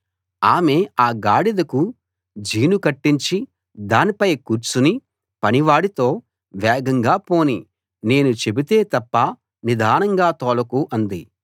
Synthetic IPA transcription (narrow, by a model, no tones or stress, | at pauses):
aːme̞ːaːɡaːɽid̪ɐku | d͡ʒiːnukɐʈːiɲt͡ʃi | d̪aːnipɐjkuːɾt͡ʃuni | pɐniʋaːɽit̪o̞ː | ʋɛːɡɐŋɡaːpo̞ːni | ne̞ːnut͡ʃe̞bit̪e̞ːt̪ɐpːɐ | nid̪ʱaːnɐŋɡaːt̪ɔːlɐkuʔɐnd̪i